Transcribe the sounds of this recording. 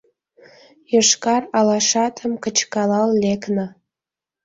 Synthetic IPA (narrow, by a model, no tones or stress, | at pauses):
jəʃkɑrɑlɑʃɑt̪ʰəmkət͡ɕkɑlɑllekno